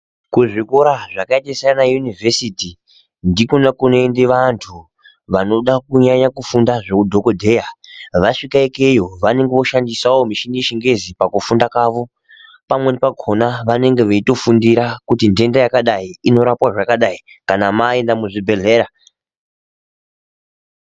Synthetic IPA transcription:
kuʐikoɾaʐakaetasanajunivʱesiti | ndikonakuno̞endeʋantʰu | ʋano̞ɗakuɲaɲakufundaʐekudʱo̞ko̞dʱejaʋaʂikaekejo̞ʋane̞ŋɡeʋo̞ʃandisawomiʃiniʃiŋɡe̞zipakufundakaːʋo̞ | pamwe̞nepaɡʱo̞naʋane̞ŋɡe̞ʋeito̞fundiɾakutinde̞ndajakaɗaiino̞ɾapwaʐakaɗai | kanamae̞ndamuʐibʱe̞ɮe̞ːɾa

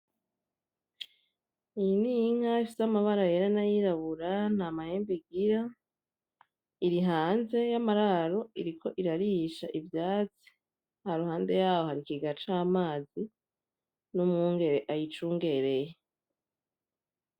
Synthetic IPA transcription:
ijiniŋaifisamaβaɾajeɾanajiɾaβuɾan̥haːmaheːmbiɡiɾa | iɾiɦaːnze̞jamaɾaɾoiɾikʰo̞ʔiɾaɾiʃaʔivjaːt͡si̥ | haɾuhaːnde̞jaːwohaɾikiɡat͡ʃaːmaːzi | numŋuːŋɡe̞ɾe̞ʔajit͡ʃuːŋɡe̞ɾe̞je

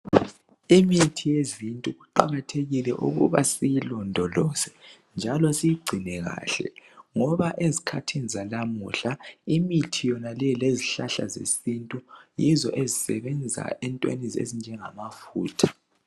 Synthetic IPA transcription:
imitʰijezintʼuɣuǃa̰ɣatʰeɣilɛʔṵɣṵβasijilɔndʱɔlɔsɛ̥ | nd͡ʒʱalɔsijiɡ͡ǀʱinɛɣa̰ːɬɛ̰ŋɔβaʔezikʰatʰinizalamṵɬaimitʰijɔnalɛleziɬaɬa̰zḛsintʼujizɔʔezisɛβɛnd͡zʱa̰ʔɛntʼwḛnizḛzind͡ʒʱɛŋamafuːtʰḁ

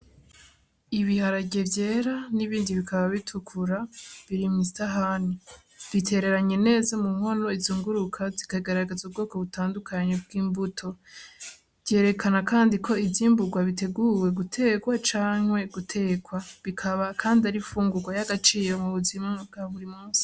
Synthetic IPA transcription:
iβihaɾaɟe̞vje̞ːɾaniβiːndiβikʰaβaβitʰukʰuɾaβiɾimŋistaɦani | v̥itʰe̞ɾe̞ɾaɲe̞ne̞ːzamuŋ̥ho̞no̞izuːŋɡuɾukʰazikaiɡaɾaɡezub̚ɡo̞ːko̞βutaːndukʰaɲe̞b̚ɡiːmbutʰo̞ | vje̞ːɾe̞kʰanakaːndikʰo̞ivziːmbuɡwaβite̞ɡuːwe̞ɡutʰe̞ːɡwat͡ʃaːŋ̥we̞ɡutʰe̞ːɡwaβikʰaβakʰaːndiaɾifuːŋɡuɡwajaɡat͡ʃiːɾo̞muβuzimab̚ɡaβuɾimuːsi̥

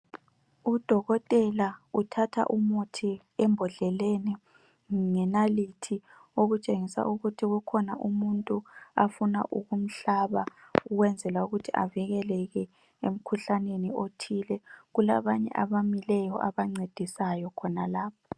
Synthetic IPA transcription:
ud̥ʱɔɣɔtʼɛlautʰatʰa̰ʔumutʰi | ɛmbʱɔɮɛlenɛ | ŋɛnalitʰi | oɣut͡ʃʼeŋisa̰ʔuɣutʰiɣukʰɔnaʔumuntʼuafuna̰ʔuɣum̩ɬaβauɣwɛnd͡zʱɛlauɣutʰiʔa̰viɣɛlɛɣɛ | em̩kʰuɬaneniotʰilɛɣula̰βaɲɛ̰ʔaβamilɛjɔʔaβaŋ͡ǀed̥ʱisajɔkʰɔnalaːpʰɔ

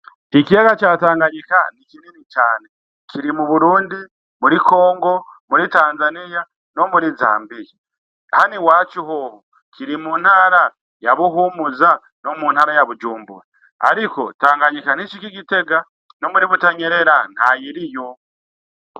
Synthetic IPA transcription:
ikijaɡat͡ʃaːtaːŋɡaɲika̰n̥ikininit͡ʃaːne̞ | kʰiɾimuβuɾuːndi | muɾiko̞ːŋɡo̞muɾitaːnzanija | no̞muɾiza̰ːmbij | haniwat͡ʃihoho | kʰiɾimun̥haɾa | jaβuɦumuza | no̞muːnhaɾajaβud͡ʒuːmbṵɾa | a̰ɾiko̞̰taːŋɡaɲikan̥it͡ʃikikite̞ɡa | no̞muɾiβutaɲeɾeɾan̥hajiɾijo

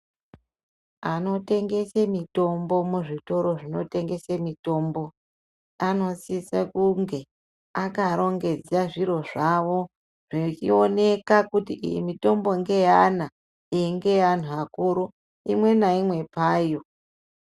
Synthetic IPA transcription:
ano̞te̞ŋɡe̞semito̞mbo̞muʐito̞ɾo̞ʐino̞̰te̞ŋɡe̞semito̞ːmbo̞ | ano̞sisakuŋɡe̞ | akaɾo̞ŋɡe̞d͡zaʐiɾo̞ʐaʋo̞ | ʐ̥et͡ʃio̞ne̞kakutiʔḭjḭmito̞mbo̞ŋɡe̞jana | iŋɡe̞an̤uakuɾu | imwe̞naimwe̞paːjo̞

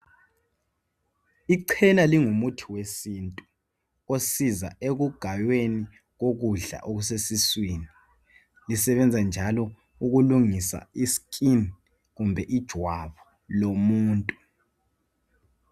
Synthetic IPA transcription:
iǃʰɛnaliŋumutʰiwesiːntʼu | osiza̰eɣuɡ̥ʱajweni | ɣoɣuɮa̰ʔoɣusesiswiːni | lisɛβɛnd͡zʱand͡ʒʱalɔ | uɣuluŋisa̰iskʼin | ɣumbʱɛʔid̥ʒ̥ʱwaβɔ | lomuːntʼu

